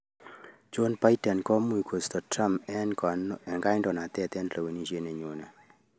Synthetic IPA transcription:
t͡ʃo˦npa˦jtɛ˨nkɔ˦mu˦˨jkʰo˨st̪ɔ˨tɾa˦mɛ˦nkɛ˨ŋɡa˦jndɔ˨na˨t̪ɛ˦t̪ɛ˦nlɔ˨we˨ni˨ʃje˦ne˨ɲo˨nɛ˨

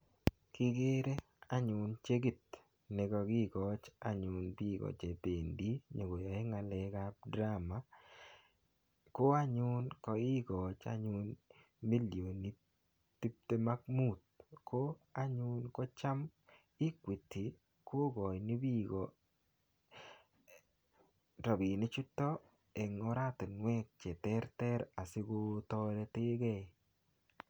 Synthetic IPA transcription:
kɪ˦ɡe˦ɾe˦ | a˨˦ɲʊ˨nt͡ʃe˦ɡi˦˨t̚ | ne˨kɔ˧kɪ˦ɡɔ˨t͡ʃa̰˨ɲʊ˨nbi˦˨kɔ̰˨t͡ʃe˨pe˨ndi˦ɲo˨ɡo˨jɔ˨e˦ŋa˨le˨˦ka˦p̚dɾa˦ma˦ | ko˦a˦ɲʊ˦nkɔ˨ɪ˦ɡɔ˨t͡ʃa̰˦ɲʊ˦n | mi˦ljo˨ni˦ | ti˦p̚te˦ma˦k̚mu˦˨t̪̚kʰo˦a˦ɲʊ˦nkɔ˦t͡ʃa˦m | i˦kwi˨ti˨ | ko˦ɡɔ˨jni˦bi˦ɡɔ˨ | ɾɔ˨bi˨nɪ˦t͡ʃu˦tːɔ˦ | ɛ˨ŋɔ˦ɾa˦tɪ˨nwɛ˦k̚t͡ʃɛ˨tɛ˦ɾtɛ˦ɾa˨sɪ˦ko˦tɔɾɛ˦te˦ɡɛ˦˨

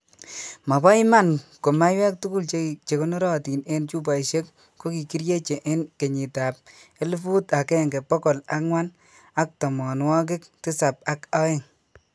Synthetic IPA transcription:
ma˨ba˦i˦ma˦˨nko˨ma˦jwɛ˦k̚tu˦ku˦˨lt͡ʃet͡ʃe˨ko˦nɔ˦ɾɔ˦ti˨ne˦nt͡ʃu˦p̬a˨jʃe˦k | ko˦ki˨ki˦ɾje˦t͡ʃe˨ʔe˦nke˨ɲi˨ta˨p̚e˦lu˦fu˦ta˨kɛ˦˨ŋɡe˨pɔ˦kɔ˨la̰˦kŋwa˦n | a˦k̚tɔ˨mɔ˨nwɔ˦k̬ɪ˦k̚tɪ˦sa˨p̚a˨ka˦e˦ŋ

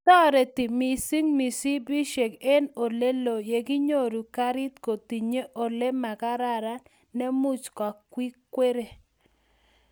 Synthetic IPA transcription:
tɔ˦ɾe˨ti˨mi˨si˦ŋmi˨si˦bi˦ʃe˨ke˦no˨le˦lo˨je˨ɡɪ˦ɲo˦ɾu˨ka˦ɾɪ˦t̪ko˨ti˨ɲe˦ʔo˨le˦ma˨ka˦ɾa˦˨ɾa˦n | nɛ˦mu˦t͡ʃka˨kwi˦kwe˦ɾe˨

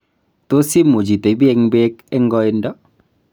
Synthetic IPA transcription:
t̪o˦si˦mːo˨d͡ʒi˨t̪e˨bi˦e˧ŋbe˦kɛ˦ŋɡɔ˦ɪ˦ndɔ˦

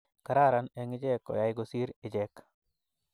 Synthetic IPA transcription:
ka˨ɾa˦ɾanɛ˨ŋɪ˦d͡ʒɛ˦kɔ̰˨ja˦jɡosi˦ɾɪ˨d͡ʒɛk

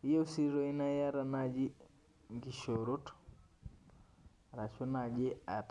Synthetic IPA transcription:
i˦je˦u˦si˦ɾo˦i˦na˦ja˦ɾa˨na˦d͡ʒi˦ | ŋɡi˨ʃo˨ɾu˦t | ɾa˨t͡ʃu˦na˨ɡɪ˦a˨t

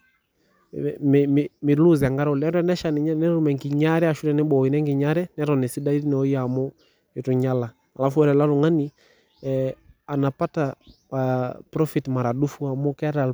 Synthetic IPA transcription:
mmmi˨lu˦za˨ŋɡa˦ɾɔ˨lɛ˦ɾɛ˦nɛ˦ʃa˨nɛnɛ˦ɾu˦mɛ˨ŋɡi˨ɲa˦ɾɛ˦a˨ʃu˦ɾɛ˨nɛ˦ɓɔ˨i˨nɛ˦ŋɡi˨ɲa˦ɾɛnɛɾɔ˨nɛ˨si˦da˦i˦i˦nɛ˨ɔ˦i˦amɔ˦ | ɛ˨tu˨ɲa˦la˨ | a˨la˦fu˦ɛ˦ɾɛ˨la˦ɾu˨ŋa˦ni˨ | a˨na˨pa˦ta | pɾɔ˦fi˨tma˨ɾa˨ɗu˦fu˦a˨mɔ˦kɛ˦ɾa˨l

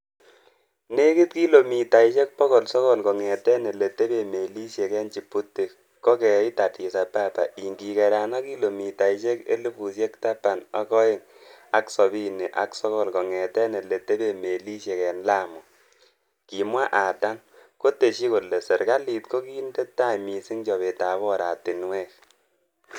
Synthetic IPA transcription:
ne˦ki˦t̚ki˦lo˨mi˨ta˨i˨t͡ʃe˦k̚pɔ˦ɣɔ˨lsɔ˦ɣɔ˦˨lkɔ˨ŋɛ˨tɛ˦ne˨le˨te˦be˨me˨li˦sje˨kɛ˦nt͡ʃi˨pu˦tːe˨ | kɔ˦kɛ˨˦i˦ta˨ti˨sa˨pa˦˨pa̰˨ʔi˨ŋɡi˨kɛ˨ɾa˨na˦ki˦lo˨mi˨ta˨i˨t͡ʃe˦kḛ˦lu˦pu˨sje˦kta˦pa˨na˨˦kɔ˦ɪ˦ŋ | a˨ksɔ˨bi˦ne˨ʔa˨ksɔ˦ɣɔ˦lkɔ˨ŋɛ˨tɛ˦ne˨le˨te˦be˦˨me˨li˦ʃje˨kɛ˨nla˦mɔ˨ | ki˨mwa˦ʔa˨ta˦n | ko˦te˨ʃi˦ko˨le˨se˨ɾka˦li˨tko˦ki˦nde˦tːa˦mi˨si˦ŋt͡ʃɔ˨βe˨ta˨˦bɔ˦ɾa˨tɪ˨nwɛ˦k̚

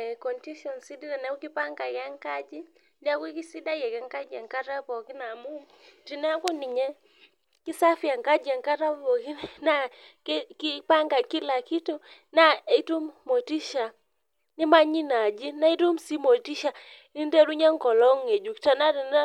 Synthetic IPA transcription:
kɔ˨nti˦ʃɔ˨nsi˦di˦ɾa˨nɛ˨˦u˦ki˦pa˦ŋɡa˨ka˦ŋka˦d͡ʒi˦ | da˦kwi˦ki˦si˦da˦jɛ˨kɛ˨˦ŋka˦d͡ʒa˨ŋka˦ta˦pɔ˨ki˦na˨mu˦m | ti˨nɛ˦a˦ku˦nɪ˨ɲɛ˦ | ki˦sa˦fi˨a˨ŋka˦d͡ʒa˨ŋka˦ta˦ppɔ˨ki˦nna˨kki˦pa˦ŋɡa˨ki˦la˨ki˦to˦ | na˦i˦tu˦mmːo˨ti˦ʃa˨ | ni˦ma˦ɲi˦na˨d͡ʒi˦na˦i˦tu˦msi˦mo˨ti˦ʃa˨ | ni˦n˦de˦ɾu˦ɲa˦ŋkɔ˨lɔ˦ŋe˨d͡ʒu˨kta˦na˦ti˨n˦

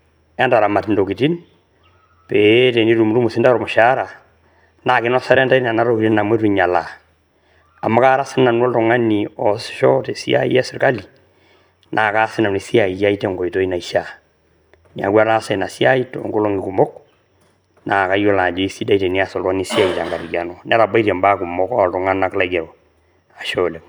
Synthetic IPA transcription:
ɛ˦nda˨ɾa˨ma˨ti˨ndo˨ki˨ti˦n | pe˨te˨ni˦ɾu˨mu˨ɾu˦mu˨sɪ˦nda˦ɾɔ˨mu˨ʃa˦ɾa˨ | na˨kɪ˦nɔ˦sa˦ɾɛ˦nda˦i˦na˨na˦ɾo˦ki˨i˦na˨mwe˦ɾu˨ɲa˨la̰˨ | a˨ma˦ka˦ɾa˦sɪ˦na˨n˦ɔ˦ltɔ˨ŋa˦ni˨ɔ˨sʃɔ˦te˨si˦a̰˦ḭ˦ɛ˦sɪ˨ɾka˦li˨ | nʔa˨ka˦sɪ˦na˨ni˨si˦a˨i˨ja˦i˦te˦ŋɡo˨i˨to˦i˦na˨i˦ʃa˨ | n˨a̰˨ɡwa˦ɾa˦se˨na˨si˦a˦i˦to̰˨ŋɡu˦lo˦ŋi˨ku˨mɔ˦k | na˨ka˦jo˦la˨d͡ʒo˨i˦si˦da˦i˨te˨ni˦a˦sɔ˨lwa˦ni˦si˦a˦˨i˨ta˨ŋɡa˨ɾi˨ɡa˨nɔ˦n˦a˦ɾa˨ba˦i˦te˨mba˦ku˨mɔ˦kɔ˦a˨ltɔ˨ŋa˦na˨kla˦ɡe˨ɾo˨ | a˨ʃo˦le˨m

